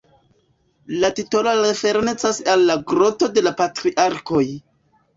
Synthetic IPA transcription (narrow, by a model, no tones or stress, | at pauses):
latito̞loɾe̞fe̞ɾne̞t͡sasalːaɡɾo̞to̞de̞lapatɾiʔaɾko̞j